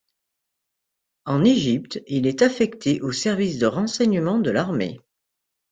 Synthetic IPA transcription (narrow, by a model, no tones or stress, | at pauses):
ɑ̃neʒipt̪ilɛt̪afɛkt̪ʰeʔosɛʁvisd̪əʁɑ̃sɛɲəmɑ̃d̪əlaʁmḛ